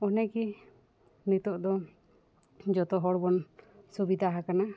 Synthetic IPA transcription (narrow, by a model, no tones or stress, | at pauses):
ɔnɛki | nit̪ɔʔd̪ɔ | d͡ʒɔt̪ɔɦɔɽbɔnsubid̪ʱaɦakana